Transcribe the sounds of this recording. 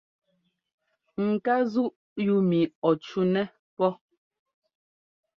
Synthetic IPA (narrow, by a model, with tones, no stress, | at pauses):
ŋ̩˨ka˦zu˦ʔ | ju˦mi˨ɔ˨t͡ʃu˦nɛ˦ | pɔ˦